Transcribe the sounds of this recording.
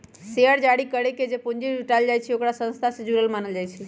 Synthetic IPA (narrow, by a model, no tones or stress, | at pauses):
seəɽd͡ʒaɽikəɾeked͡ʒepũnd͡ʒibʱiʈald͡ʒajt͡ʃʰɛokɾasə̃nst̪ʰased͡ʒuɾəlmaːnəld͡ʒajt͡ʃʰɛ